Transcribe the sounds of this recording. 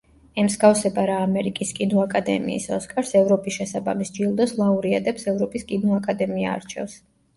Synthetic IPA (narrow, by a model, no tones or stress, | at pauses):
ɛmzɡafsɛbaɾaːmɛɾikʼiskʼinɔakʼad̪ɛ̰mḭːsɔskʼaɾsɛvɾɔpʼisʃɛsaba̰misd͡ʒilˠd̪ɔslˠauɾiad̪ɛpsɛvɾɔpʼiskʼinɔakʼad̪ɛmia̰ːɾt͡ʃʰɛ̰fs